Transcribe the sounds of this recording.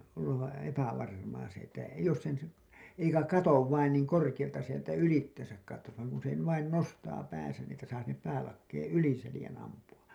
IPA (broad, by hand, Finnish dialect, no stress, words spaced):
olːɑʋ ʋæ epæʋɑrmɑː se etːæ jos sen si eikæ kɑtoʋ ʋɑin niːŋ korkij̆ɑltɑ sieltæ ylitːesæk kɑtːos ʋɑĭŋ kun se ʋɑin nostɑː pæːsæn ni etːæ sɑː sinːep pæːlɑkːeːẽ yli selĭjæn ɑmpuɑ